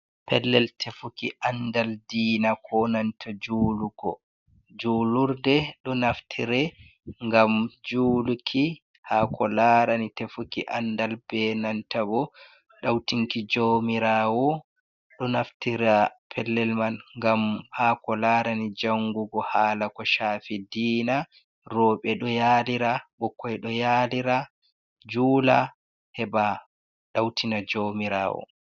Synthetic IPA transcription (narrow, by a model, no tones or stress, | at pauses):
pʰɛlːɛltʰefukiʔandaldiːnakʰɔnantʰad͡ʒuːluɡɔ̰ | d͡ʒuːluɾdɛɗɔnaftʰiɾɛ | ŋɡamd͡ʒuːlukʰi | hakʰɔlaɾanitefukiʔandalb̥ɛnantabɔ | ɗawtiŋkid͡ʒoːmiɾawɔ | ɗɔnaftiɾapʰɛlːɛlmanŋɡamhakɔlaːɾanid͡ʒaŋɡuɡɔhaːlakɔʃaːfidiːna | rɔɓɛɗɔjaːliɾabɔkːɔjɗɔjaliɾa | d͡ʒuːla | hɛba | ɗawtʰinad͡ʒomiɾa̰ːwɔ̰